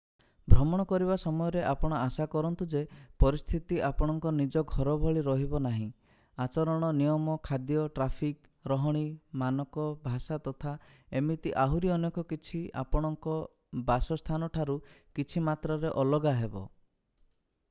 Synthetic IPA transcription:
bʱɾɔmɔɽ̃ɔkɔɾiβasɔmɔjɔɾeʔapɔɽ̃ɔasakɔɾɔnt̪ud͡ʒepɔɾist̪ʰit̪iʔapɔɽ̃ɔŋkɔnid͡ʒɔɡʱɔɾɔbʱɔɭiɾɔɦibɔnaɦĩ | at͡ʃɔɾɔɽ̃ɔnijɔmɔkʰad̪jɔʈɾapʰik | ɾɔɦɔɽ̃imanɔkɔbʱasat̪ɔt̪ʰa | emit̪iʔaɦuɾiɔnjɔkɔkit͡ʃʰia̰pɔɽ̃ɔŋkɔ | basɔst̪ʰanɔʈʰaɾukit͡ʃʰimat̪ɾaɾeʔɔlɔɡaɦebɔ̰

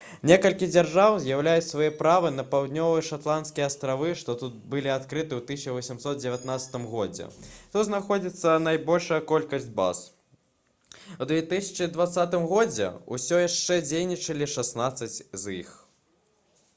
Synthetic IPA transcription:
nʲekɐlʲkʲid͡zʲarʐawzʲjawlʲajut͡sʲsvajɛpɾavɨnɐpawd̪nʲɔvɨjɐʂat̪lˠant̪skʲijɛast̪ɾavɨʂt̪ɔt̪ut̪̚bɨlʲiat̪kɾɨt̪ɨwt̪ɨsʲt͡ʃvɐsʲimsɔt̪̚d͡zʲɪvʲat̪nat̪sɐ̥t̪ɨmɣɔd͡zʲɛ̰t̪ut̪znaxɔd͡zʲit̪sːɐnajbɔlʲʂɐjɐkɔlʲkɐsʲd͡zʲba̰s | wd̪vʲeɛt̪ɨsʲɐ̥t͡ʂɨd̪vat̪sat̪ɨmɣɔd͡zʲɛ̰ṵsʲɔjaʂt͡ʂɛd͡zʲejnʲit͡ʂɐlʲiʂasnat̪sɐt͡sʲzḭx

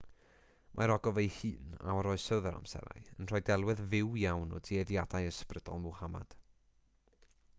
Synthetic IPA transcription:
mʔa̰ɾɔɡɔvejhɨːna̰ɔɾɔɨsəðəɾa̰msɛ̰ɾa̰jənr̥ɔjdɛlˠwɨðvɪwjawnɔ̰diɛðjadajəsprəd̥ɔ̰lˠmuwhama̰d̥

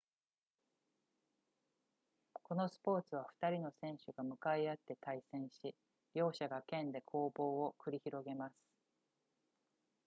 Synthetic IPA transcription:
ko̞no̞sɨ̥po̞ːt͡sɨβ̞aɸɯ̥t̪aɾʲino̞sẽ̞ɰ̃ɕɨɡamɯ̟kaiat̪ːe̞t̪aisẽ̞ɰ̃ɕi | bʲjo̞ːɕaɡakẽ̞nd̪e̞kʰo̞ːbo̞ːokɯ̟ɾʲiçiɾo̞ɡe̞masɨ̥

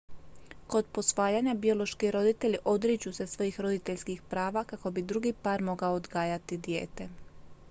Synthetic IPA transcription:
ko̞d̪po̞sʋaːjaɲabio̞lo̞ʃkiɾo̞d̪it̪e̞ʎiʔo̞d̪ɾit͡ɕuse̞sʋo̞jiːxɾo̞d̪it̪e̞ʎskixpɾaːʋakako̞bid̪ɾuɡipaːɾmo̞ɡaoːd̪ɡaːjat̪id̪je̞̰ːt̪e̞

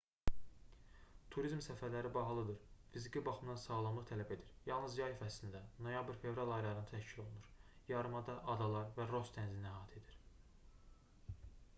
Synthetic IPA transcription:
t̪ʰuɾizmsæfæɾlæɾibɑɦɑlˠɯd̪ɯɾfizikʰibɑχɯmd̪ɑnsɑːlˠɑmlˠɯχt̪ʰælæbe̞d̪iɾjɑlˠnɯzjɑjifæsind̪æno̞jɑbiɾfe̞vɾɑlˠɑjɾɑɾɯnɯt̪ʰæʃcʰilo̞lˠunuɾ | jɑɾɯmɑd̪ɑʔɑd̪ɑlˠɑɾvæɾo̞st̪ʰænzinnæɦɑːt̪ʰe̞d̪iɾ̥

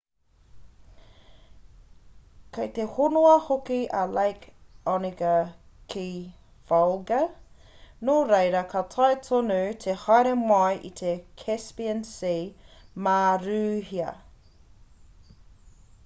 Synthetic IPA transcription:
kʰɐjt̪ehonoɐhokiʔɐlajkɔniɡəkʰi | valɡɐ | noɾejɾɐkʰɐtʰɐjtʰonut̪ʰehɑjɾemɐjʔḭt̪ʰekʰɛspiənsimaɾʉːɦiɐ̰

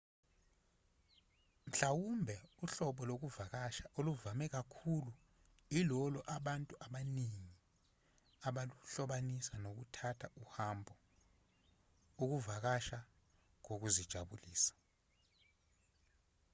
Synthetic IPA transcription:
m̩ɬawumbʱɛuɬɔɓɔlok̬uvak̬aʃaʔoluvamɛk̬akʰulu | ilɔlɔʔaɓantʼuʔaɓaniŋi | aɓaluɬɔɓanisanok̬utʰatʰauhambʱɔ | uk̬uvak̬aʃa | ŋok̬uzid̥ʒ̥ʱaɓuliːsḁ

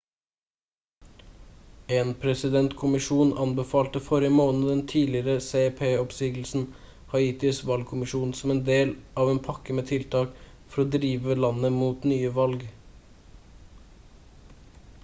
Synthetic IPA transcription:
eːnpʰɾɛsɪd̪ɛnt̪kʰʊmɪʃuːnʔɑnbəfɑːlt̪əfɔɾɪəmoːnəd̪ɛnt̪ʰiːlɪɾəseɛpʰeːɔpsiːɡl̩sn̩ | hɑiːt̪ɪsʋɑlɡ̚kʰʊmɪʃuːnsɔmeːnd̪eːlʔɑːʋeːnpʰɑkəmeːt̪ʰɪlt̪ʰɑːk | fɔɾoːd̪ɾiːʋəlɑnəmuːt̪nyːəʋɑlɡ

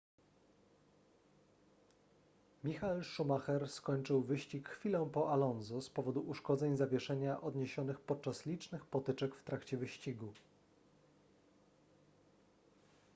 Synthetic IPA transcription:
mʲixalʂumaxɛɾskɔɲt͡ʂɘwvɘɕt͡ɕikxfʲilɔ̃w̃pɔʔalɔnzuspɔvɔd̪uʔuʂkɔd̪zɛɲzavʲjɛʂɛɲaʔɔd̪ɲeɕɔnɘxpɔt̪̚t͡ʂaslʲit͡ʂnɘxpɔt̪ɘt͡ʂɛkft̪ɾakt͡ɕɛvɘɕt͡ɕiɡu

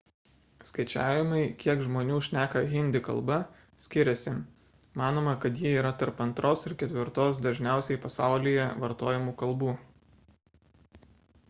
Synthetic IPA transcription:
skɐɪt͡ʃʲæːʋʲɪmɐɪkʲiɛkʒmoːnʲuːʃʲnʲæːkɐɣʲɪnʲd̪ʲɪkɐ̰lˠbɐ | sʲkʲɪɾʲɛsʲɪ | mɑːnoːmɐkɐt̪jiːiːɾɐt̪ɐɾpɐnt̪ɾʔoːsɪɾkʲɛt̪ʲʋʲɪɾt̪oːsd̪ɐʒʲnʲæˑʊsʲɛɪpɐsɑˑʊlʲɪjɛʋɐɾt̪oːjɪmuːkɐlˠˑbuː

